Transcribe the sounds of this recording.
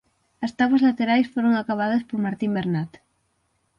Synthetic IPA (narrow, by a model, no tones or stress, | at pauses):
ɐst̪awɐzlat̪eɾajsfoɾoŋakaβ̞að̞ɐspoɾmaɾt̪imbeɾnat̪